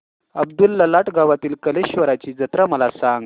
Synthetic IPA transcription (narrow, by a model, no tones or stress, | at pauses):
əbd̪ulːəlaʈɡaʋat̪iːlkəleɕʋəɾat͡ɕiːd͡zət̪ɾaməlasãŋɡ